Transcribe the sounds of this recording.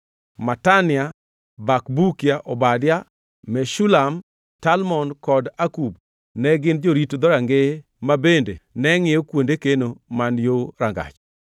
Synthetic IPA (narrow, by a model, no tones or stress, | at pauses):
matanɪa | bakbukjaʔɔbadja | mɛʃulam | talmɔnkɔdakub | nɛɡɪnd͡ʒoɾitod̪ɔɾaŋɡe | mabendenɛŋɪjokwondekenomanjoɾaŋɡa̰t͡ʃ